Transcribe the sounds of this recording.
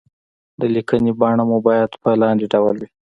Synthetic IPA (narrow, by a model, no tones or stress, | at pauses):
d̪əlikənebɑɳamubɑjad̪pəlɑnd̪eɖawəlwi